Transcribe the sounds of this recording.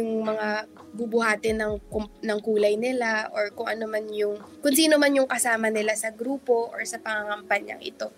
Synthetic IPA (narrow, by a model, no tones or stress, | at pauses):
ʊŋmɐŋa | bubʊhaːt̪ɪnɐŋkʊmnɐŋkuːlɐjnɪlaʔoɹkʊŋʔɐnomanjʊŋkʊnsiːnomanjʊŋkɐsaːmɐnɪlasɐɡɾuːpo̞ʔoɹsɐpɐŋaŋɐmpɐɲa̰ŋʔɪ̰t̪o̞